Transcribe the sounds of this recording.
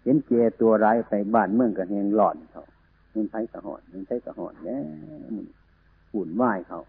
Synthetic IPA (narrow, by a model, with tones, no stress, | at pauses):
he˨˧˦nkɛː˧˩t̪u˧ɐɾaː˧˥˦jpa˨jbaː˧˩˨nmɯ˧ə˨ŋka˧˩ɦɛː˧ŋlɔː˧˩n̚˨˧kʰa̰˧˩w | mɨ˧˨nt̪ʰa˧˥˦jka˧˩hɔ̰ː˧˩n̚mɯ˧˨ntʰa˧˥jka˧hɔ̰ː˧˩n̚lɛː˧˦˧mɯ˧˨n | puː˧˨˩nwaː˧˩jkʰa˧˨˩w